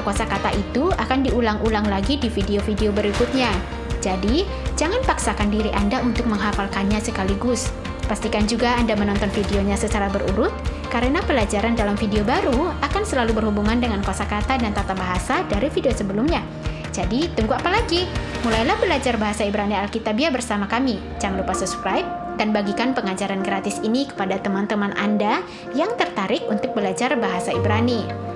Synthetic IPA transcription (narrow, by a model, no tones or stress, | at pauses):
kasakat̪aʔit̪uakandiulaŋulaŋlaɡidifideofideobəɾikʊt̪̚ɲa | d͡ʒadi | d͡ʒaŋanpaksakandiɾiʔandaunt̪ʊk̚məŋɦafalkanɲasəkaliɡʊs | past̪ikand͡ʒuɡaːndamənɔnt̪ɔnfideoɲasət͡ʃaɾabəɾṵɾʊt̪̚kaɾənapəlad͡ʒaɾandalamfideobaɾuakansəlalubərhubuŋandəŋankasakat̪adant̪at̪abaɦasadaɾifideosəbəlʊmɲa | d͡ʒadit̪uŋɡuapalaɡimulajlahbəlad͡ʒarbaɦasaibɾanialkit̪abiabərsamakami | d͡ʒaŋlupasupskɾajp̚ | danbaɡikanpəŋad͡ʒaɾanɡɾat̪ɪsinikə̥padat̪əmant̪əmanʔa̰nda | jaŋt̪ərt̪aɾɪk̚unt̪ʊk̚bəlad͡ʒarbaɦasaibɾani